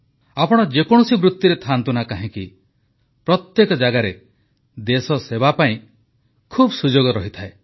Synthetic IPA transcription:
apɔɽ̃ɔd͡ʒekɔɽ̃ɔsibɾut̪juɾet̪ʰant̪unakaɦĩki | pɾɔt̪jekɔd͡ʒaɡaɾe | d̪esɔsebapaĩ | kʰubsud͡ʒoɡɔɾɔɦit̪ʰae

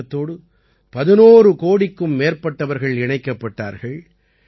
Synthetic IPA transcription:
ɐt̪ːoːɽɯ | pɐðɪnoːrɯkoːɽɪkːɯmːeːɾpɐʈːɐʋɐɾɣɐɭɪɳɐɪkːɐpːɐʈːa̰ːɾɣɐɭ

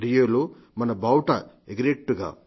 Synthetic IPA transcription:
ɾijolo | mɐnɐbɐwʈɐ | eɡɾek̚ʈuɡa̰ː

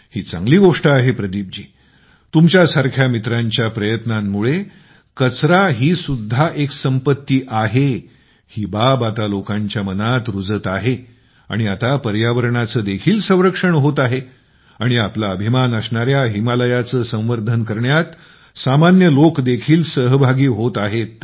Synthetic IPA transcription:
hiːt͡sã̰ŋɡliːɡoʂʈəaɦepɾəd̪ib̚d͡ʑiː | t̪umt͡ɕjasaɾkʰjamit̪ɾaɲt͡ɕjapɾəjət̪namːuɭe | kət͡sɾaɦiːsud̪ʱːaʔeksəmpət̪ːiːʔaɦe | hiːbabat̪alokãɲt͡ɕjamənat̪ɾud͡zət̪aɦe | a̰ɽ̃iat̪apəɾjaʋəɾɳat͡səːd̪ekʰiːlsə̃w̃ɾəkʂəɳɦot̪aɦe | aɽ̃iaplaəbʱimanəsɳaɾjaɦimaləjat͡səːsə̃w̃ʋəɾd̪ʱənkəɾɳjat̪ | samanjəlokd̪ekʰiːlsəɦbʱaɡiːɦot̪aɦet̪̚

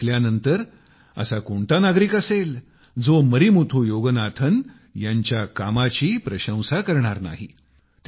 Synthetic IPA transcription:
ljanənt̪əɾ | ə̰sakoɳt̪anaɡɾiːkəsel | d͡zoməɾimut̪ʰuːjoɡənat̪ʰən | jaɲt͡ɕjakamat͡ɕiːpɾəɕə̃w̃sakəɾɳaɾna̰ɦḭ | t̪

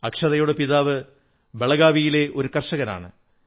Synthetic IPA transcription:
ɐkʂɐðɐjoɽepiðaːʋɨ | be̞ɭɐɣaːʋijile̞ʔo̞ɾukɐrʂɐɣɐna̰ːɳɨ̰

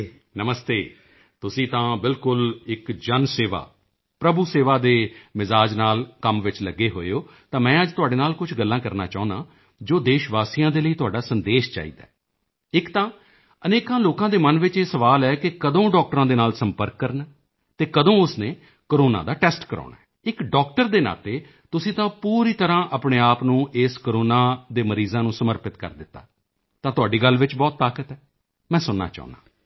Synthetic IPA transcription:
nəməst̪eː | t̪ʊsĩːt̪ãːbɪlkʊlɪkd͡ʒənseːʋa̰ː | pɾəbuːseːʋaːd̪eːmɪzaːd͡ʒnaːlkəmʋɪt͡ʃləɡːeːɦo̰ːoː | t̪ãːmɛ̃ːəd͡ʒt̪ʊaːɖeːnaːlkʊt͡ʃʰɡəlːãːkəɾna̰ːt͡ʃãːnaː | d͡ʒoːd̪eːʃʋaːsijãːd̪eːləiːt̪ʊaːɖaːsənd̪eːʃt͡ʃa̰ːḭːd̪a̰ːɛ | ɪkt̪ãː | əneːkãːloːkãːd̪eːmənʋɪt͡ʃeːsəʋaːlɛːkɪkəd̪õːɖɔːk̚ʈɾãːd̪eːnaːlsəmpəɾkːəɾnː | t̪eːkəd̪õːʊsneː | koɾoːna̰ːd̪aːʈɛːsʈkəɾa̰ːɳaːɛ | ɪkɖɔːk̚ʈəɾd̪eːna̰ːt̪eː | t̪ʊsĩːt̪ãːpuːɾiːt̪əɾãːʔaːpɳeːaːpnũːʔeːskoɾoːnãːd̪eːməɾiːzãːnũːsəməɾpɪt̪kə̰ɾd̪ɪt̪ːa̰ː | t̪ãːt̪ʊaːɖiːɡəlːʋɪt͡ʃbɔːt̪ːaːkət̪ɛː | mɛ̃ːsʊnːa̰ːt͡ʃa̰ːʊ̰̃na̰ː

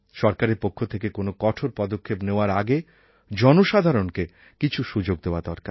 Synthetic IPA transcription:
ʃɔɾkaɾeɾpokʰːot̪ʰekekonokɔʈʰoɾpɔd̪okʰːepneoaɾaɡe | d͡ʑɔnoʃad̪ʱaɾonke | kit͡ɕʰuʃud͡ʑoɡ̚d̪eoad̪ɔɾkaɾ

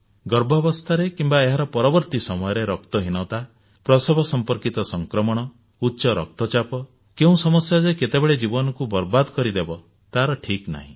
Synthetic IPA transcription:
ɡɔɾbʱɔbɔst̪ʰaɾekimbaeɦaɾɔpɔɾɔbɔɾt̪isɔmɔjɔɾeɾɔk̚t̪ɔɦinɔt̪a | pɾɔsebʱɔsɔmpɔɾkit̪ɔsɔŋkɾɔmɔɽ̃ɔ | utːʃɔɾɔk̚t̪ɔt͡ʃapɔ | keũsɔmɔsjad͡ʒeket̪ebeɭed͡ʒibɔnɔkubɔɾbad̪ɔkɔɾid̪ebɔ | t̪aɦɾɔʈʰikna̰ɦĩ

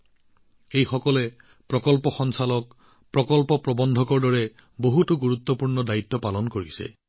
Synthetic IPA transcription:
ejxɔkɔlɛ | pɹɔkɔlpɔxɔnsalɔk̚ | pɹɔkɔlpɔpɹɔbɔndʱɔkɔɹdɔɹɛ | boɦutuɡuɹut̪ːɔpuɹnɔdait̪ːɔpalɔnkoɹisɛ̰

